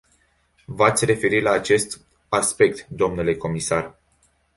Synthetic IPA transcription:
vat̪sʲre̞fe̞ɾilaːt͡ʃe̞st̪ | aspe̞k̚t̪d̪o̞mnule̞ko̞misar

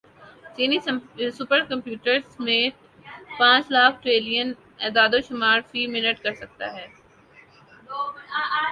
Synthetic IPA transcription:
t͡ʃiːnisʊpəɾkɐ̃mpjuːʈəɾzmẽːʈ | pãːt͡ʃlaːk̚ʰʈɾeːlijən | ɛd̪aːd̪oʃʊmaːɾfiːmɪnəʈkɐɾsɐk̚t̪a̰ɦɛː

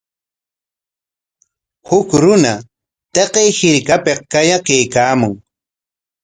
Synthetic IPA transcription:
hʊkɾʊna | t̪eqejhɪɾkapeq̚kajakajkaːmʊŋ

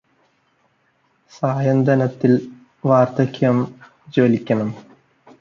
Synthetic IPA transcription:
saːjɐnd̪ɐnɐt̪ːil | ʋaːrt̪ɐkʰʲːjɐm | d͡ʑo̞ːlikʲːɐɳɐm

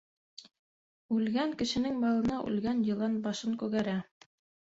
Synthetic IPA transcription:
ʉlɡæŋkɘ̆ʃɘ̆nɘŋbɑlˠɤ̆nɑʔʉ̰lɡænjɤ̆lˠɑnbɑʃɤŋkʉɣæɾæ

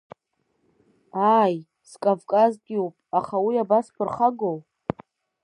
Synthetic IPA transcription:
aj | skʼavkʼazɡʲɪupʼaχawiabaspʰɨrχaɡow

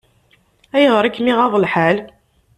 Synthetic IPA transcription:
æjəʁɾˤækːmiʁɑðˤəlħal

